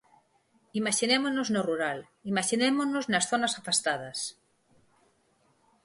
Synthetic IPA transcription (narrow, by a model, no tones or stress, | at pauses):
imaʃinemoznoznoruɾal | imaʃinemonoznasθonasafast̪að̞ɐs